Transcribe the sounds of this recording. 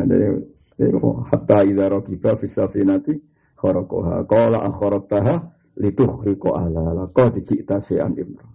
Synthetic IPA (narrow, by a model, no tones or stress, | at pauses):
adɛ̰ | ḭohat̪aiðaɾɔkib̥afisafinat̪i | xɔɾɔkɔ̰ɦa̰kɔla̰ʔaxɔɾɔk̚t̪aɦa | lit̪uhrikɔʔalalakɔd̪it͡ʃiʔt̪asea̰nimɾɔ